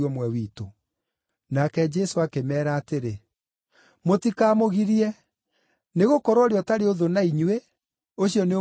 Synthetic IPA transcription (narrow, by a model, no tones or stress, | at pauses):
ɔmwɛwiːto | nakɛd͡ʒɛsoakemɛːɾaːteɾe | motikaːmoɣiɾiɛ | neɣokɔɾwɔɾeɔtaɾeoðonaiɲuwe | oɕijɔneo